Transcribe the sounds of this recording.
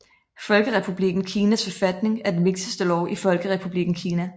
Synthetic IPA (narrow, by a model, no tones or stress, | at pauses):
fɒ̽lɡ̥əʁɛpʰub̥liɡ̥n̩kʰiːnæsfɒ̽fæd̥ne̝ŋæɐd̥enʋe̝ɡ̥səsd̥əlɒʊʔifɒ̽lɡ̥əʁɛpʰub̥liɡ̥n̩kʰiːnæ